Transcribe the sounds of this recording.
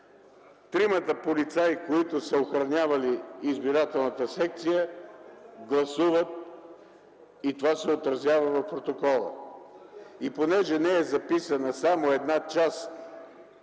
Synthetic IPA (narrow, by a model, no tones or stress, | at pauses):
t̪ɾimət̪əpolit̪sajkoit̪ʊsəoxɾɐnʲavɐliːzbiɾat̪ɛlˠnət̪əsɛk̚t̪sijə | ɡlˠɐsuvət̪̚ | it̪ovasɛot̪ɾɐzʲjavəvɐfpɾot̪okɔlˠə̰ | iponɛʒɛnɛɛzɐpisənəsamoɛd̪nat͡ʃast̪